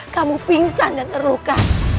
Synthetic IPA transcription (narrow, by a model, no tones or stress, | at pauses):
kamupiŋsandanəɾoka